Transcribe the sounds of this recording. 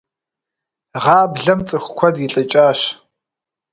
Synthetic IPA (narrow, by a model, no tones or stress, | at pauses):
ʁɑːbɮɐmt͡sʼɨxʷkʷʰɔdjɪɬʼɨt͡ʃʼaːɕ